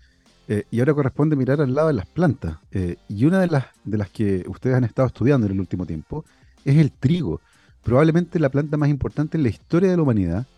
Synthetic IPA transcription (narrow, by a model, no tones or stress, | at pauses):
eiaoɾako̞rehpo̞nd̪emiɾaɾalːaðoðelasplant̪aseiunaðelas | ðe̞laskeṵst̪e̞ðsanest̪aðoest̪uðjand̪oenelult̪imo̞t̪jempo | ese̞lt̪ɾiɣo̞̰ | pɾo̞βaβleme̞nt̪elaplant̪amas̬impo̞ɾt̪ant̪eezlaist̪o̞ɾjaðelaumanið̞a